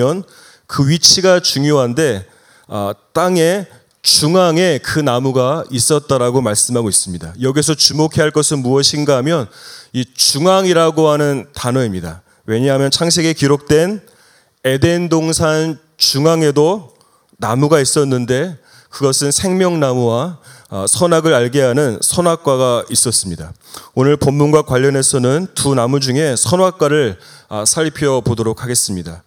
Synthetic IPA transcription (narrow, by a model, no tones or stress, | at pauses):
ʌn | kɯɥit͡ɕʰiɡat͡ɕuŋjoɦande̞ | ʌt͈aŋe̞ | t͡ɕuŋaŋe̞kɯnamuɡais͈ʌt̚t͈aɾaɡomaɭs͈ɯmɦaɡois͈ɯmɲidajʌɡis̬ʰʌt͡ɕumokʰe̞ɦaɭk͈ʌsʰɯnmuʌɕʰinɡaɦamjʌnit͡ɕuŋaŋiɾaɡoɦanɯntanʌimɲida | we̞ɲaɦamjʌnt͡ɕʰaŋs̬ʰe̞ɡekiɾok̚t͈we̞n | e̞de̞ndoŋsʰan | t͡ɕuŋaŋe̞do | namuɡais͈ʌnːɯnde̞ | kɯɡʌsʰɯnsʰe̞ŋmjʌŋnamuwa | sʰʌnaɡɯɾaɭɡeɦanɯnsʰʌnwak͈̚waɡais͈ʌs͈ɯmɲidaonɯɭpʌmːunɡwakwaʎːʌne̞sʰʌnɯntunamud͡ʑuŋe̞sʰʌnwak͈waɾɯɭ | asʰaʎipʰjʌpodoɾok̚ʰaɡe̞s͈ɯmɲida